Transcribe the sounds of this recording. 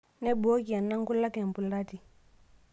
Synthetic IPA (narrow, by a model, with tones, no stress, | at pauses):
ne˦bu˨˦o˦ki˨a˨nːa˦ŋ˦ku˦lːa˦ke˨m˨pu˨lda˦ti˨